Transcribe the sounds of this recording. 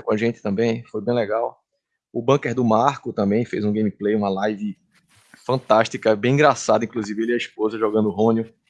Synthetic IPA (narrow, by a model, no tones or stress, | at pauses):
kõaʒẽt͡ʃ̪ɪ̥t̪ɐ̃mbẽj̃fojbẽj̃lɛɡaw | ʊbɐ̃keɾd̪ʊmaɾkʊt̪ɐ̃mbẽj̃fḛjzũɡẽmiplejũɐlajvɪ | fɐ̃nt̪aʃt̪ikɐbẽj̃ĩɡɾasad̪ɐĩkluzivɪeliɐispozɐʒɔɡɐ̃nd̪ʊɦõnjʊ